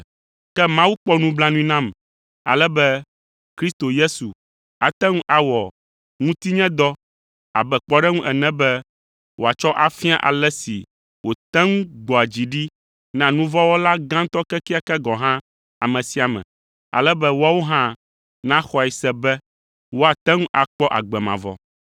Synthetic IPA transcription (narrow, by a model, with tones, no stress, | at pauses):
kɛ˦mã˦wu˦k͡pɔ˦nũ˦bla˦nũ˦i˦nã˦m | a̰˨lɛ˦bɛ˦ | kɾi˦st̪o˨je˦su˨ | a˨t̪ɛ˦ŋũ˦ʔa˨wɔ˨ | ŋũ˦t̪i˦ɲɛ̃˦d̪ɔ˦ | a̰˨bɛ˨k͡pɔ˦ɖɛ˦ŋũ˦ʔɛ˨nɛ̃˦bɛ˦ | wo˨a˨t͡ʃɔ˦ʔa˨fĩ˦a̰˦ʔa̰˨lɛ˦sḭ˨ | wo˨t̪ɛ˦ŋũ˦ɡ͡bɔ˨a˨d͡ʑi˨ɖi˦ | nã˨nũ˦vɔ˦wo˦la˦ɡã˦ŋ̩˦t̪ɔ˦kɛ˦ki˦a˦kɛ˦ɡɔ˨ɦã˦ | a˨mɛ̃˨si˦a˨mɛ̰̃˨ | a̰˨lɛ˦bɛ˦wo˦a˦wo˦ɦã˦ | nã˦xɔ˨ɛ˨sɛ˦bɛ˦ | wo˦a˨t̪ɛ˦ŋũ˦ʔa˨k͡pɔ˦ʔa̰˨ɡ͡bɛ˨mã̰˨vɔ̰˨